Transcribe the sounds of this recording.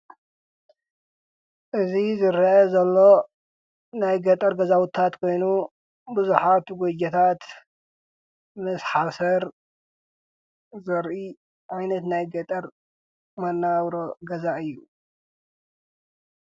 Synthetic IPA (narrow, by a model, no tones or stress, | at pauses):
ʔɨzizɨɾʔɐzɐlːo̞ | najɡɐt̪ʼɐɾɡɐzawʊt̪ʰːat̪kʰo̞jnu | bɨzuħat̪ɡod͡ʒɐt̪ʰat̪ | mɨsħasɐɾ | zɐɾʔi | ʕajnɐt̪najɡɐt̪ʼɐɾ | mɐnːaβɾoɡɐzaʔɨjːu